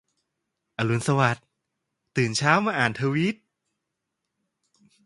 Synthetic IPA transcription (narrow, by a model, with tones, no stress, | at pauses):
ʔa˧lu˨˦nsa˧wa˨˩t̪̚ː | ɯː˨˩nt͡ɕʰaː˦˥wmaː˧ʔaː˨˩nt̪ʰa˧wi˦˥t̪̚